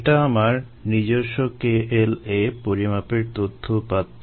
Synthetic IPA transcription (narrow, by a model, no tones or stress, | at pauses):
ʈaamaɾ | nid͡ʑoɾʃokeelepoɾimapeɾt̪ot̪ʰːopat̪ː